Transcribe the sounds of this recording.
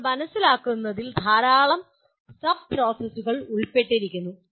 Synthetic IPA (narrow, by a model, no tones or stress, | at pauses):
mɐnɐsːilaːkːunːɐðild̪ʱaːɾaːɭɐm | sɐb̚pro̞ːsɐsuɣɐɭuɭpeʈːiɾikʲːunːu